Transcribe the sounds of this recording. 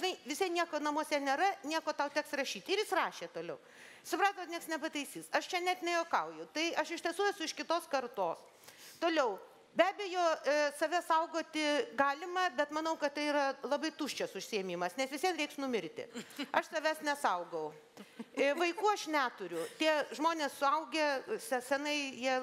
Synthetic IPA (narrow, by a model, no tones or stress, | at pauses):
ʒʲɪnɐɪʋʲɪsʲiɛnʲiɛkoːnɐmoɔsʲɛnʲeːɾɐnʲiɛkoːt̪ɐʊt̪ʲɛksrɐʃʲiːt̪ʲɪɾjɪsrɑːʃʲeːt̪oːlʲɛʊ | sʊpɾɑːt̪oːtnʲiɛksnʲɛpɐt̪ɐɪsʲiːsɐʃt͡ʃʲɛnʲɛt̪ʲɪnʲɛjoːkɐʊjʊt̪ɐɪɐʃɪʃtʲiɛsuːɛsʊɪʃkʲɪt̪oːskɐrt̪oːs | t̪oːlʲɛʊ | bʲæːbʲɛjoːsɐʋʲɛsɐʊɡoːt̪ʲɪɡɑːlʲɪmɐbʲɛt̪mɐnɐʊkɐt̪t̪ɐɪiɾɐlˠɐbɐɪt̪uːʃʲt͡ʃʲɛsʊʃʲsʲɪɛmʲimɐsnʲɛsʋʲɪsʲiɛt̪ɾɛɪksnʊmʲɪɾʲt̪ʲɪ̰ɐʃsɐʋʲæsnʲɛsɐʊɡɐʊ | ʋɐɪkuːɐʃnʲæːt̪ʊɾʲʊt̪ʲiɛʒmoːnʲeːssʊɐʊɡʲesʲɛsʲɛnɐɪjiɛ